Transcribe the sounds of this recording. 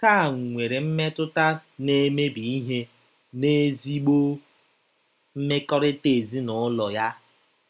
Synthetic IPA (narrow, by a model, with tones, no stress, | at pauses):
ka˦˨ŋ̩˨ŋʷe˨ɾe˨m̩˦me˦tʊ˦ta˦ne˦me˦bi˨i˦ɦe˦ | ne˦zi˦ɡ͡bo˦ | m̩˦me˦kɔ˦ɾɪ˦te˨zi˦nʊ˨˦lɔ˨ja˦